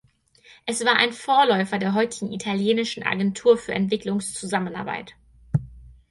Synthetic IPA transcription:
ʔɛsv̥aːɐʔaɪnfoːɐlɔʏfɐdeːɐɦɔʏtɪɡŋ̩ʔitʰaljeːnɪʃn̩ʔa̰ɡɛntʰuːɐfyːɐʔɛ̰ntv̥ɪklʊŋst͡suzaməna̰ɐba̰ɪt

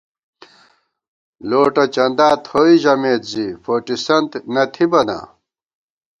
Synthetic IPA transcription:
loːʈɐt͡ɕɐnd̪aːt̪hoiʑɐmeːt̪zifoːʈisɐnt̪nɐt̪ʰibɐnɐ̰

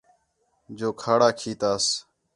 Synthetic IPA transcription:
d͡ʒoːkʰaːɽaːkʰiːt̪aːs

